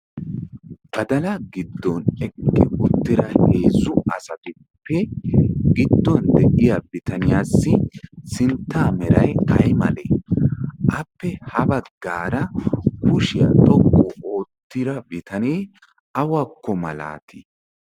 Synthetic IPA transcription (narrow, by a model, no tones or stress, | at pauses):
b̥ɐd̪ɐlɐɡɪd̪ːɔnɛkːɪʔʊt̪ːɪɾɐhe̞ːzʊɐsɐt̪ɪ | pːɛ | ɡɪd̪ːɔnd̪ɛʔɪjabɪt̪ɐnɪjaːsːɪsɪnt̪ːaːmɛɾɐjɐjmɐlḛː | ʔɐpːɛhɐbɐɡːaːɾɐkʊʃɪjɐ̰t̪ʼɔʔoʔoːt̪ːɪɾɐbɪt̪ʰɐneː | ʔɐwakːɔmɐla̰ːt̪ʰɪ